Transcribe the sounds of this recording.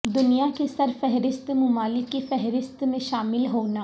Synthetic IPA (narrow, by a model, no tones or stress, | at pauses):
d̪ʊnijakesɐɾfɛɦɾɪst̪mʊmaːlɪkːefɛɦɾɪst̪mẽʃaːmɪlɦoːnaː